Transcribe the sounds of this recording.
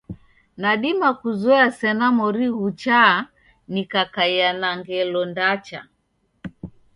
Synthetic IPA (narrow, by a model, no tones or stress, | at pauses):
naɗimakuzɔasɛnamɔɾiɣut͡ʃaː | nikakajanaŋɡɛlɔndat͡ʃa̰